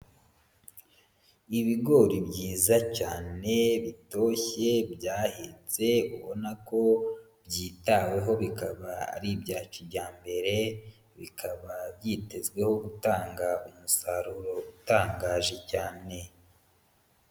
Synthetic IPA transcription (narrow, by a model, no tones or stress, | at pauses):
iβiɡo̞ɾibɟiːzacaːne̞βito̞çe̞bjaːhet͡se̞uβo̞nako̞ | bjiːtawe̞ɦo̞βikaβaa̰ɾibɟaːt͡ʃibɟaːmbe̞ɾe̞ | βikʰaβabjiːte̞zɡwe̞ho̞ɡutaːŋɡaumusaɾuɾo̞utaːŋɡaːʒe̞caːne̞